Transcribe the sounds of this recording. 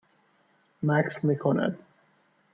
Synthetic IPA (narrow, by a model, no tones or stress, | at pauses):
mæksmiːkʰonæ̰d̪̥